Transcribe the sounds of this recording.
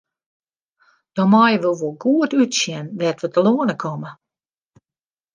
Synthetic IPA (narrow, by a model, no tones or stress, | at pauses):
d̥ɔmɔjəʋəlˠʋolˠɡuətytsjɛnʋɛtʋətəloənəkʰɔmə